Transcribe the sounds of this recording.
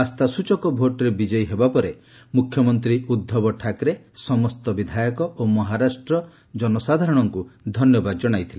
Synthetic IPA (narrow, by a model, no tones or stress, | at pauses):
ast̪asut͡ʃɔkɔbʱoʈɔɾebid͡ʒɔjɦebapɔɾe | mukʰjɔmɔnt̪ɾiud̪ʱːɔbɔʈʰakɾesɔmɔst̪ɔbid̪ʱajɔkɔʔomɔɦaɾasʈɾɔ | d͡ʒɔnɔsad̪ʱaɾɔɽ̃ɔŋkud̪ʱɔnjɔbad̪ɔd͡ʒɔɽ̃ajt̪ʰile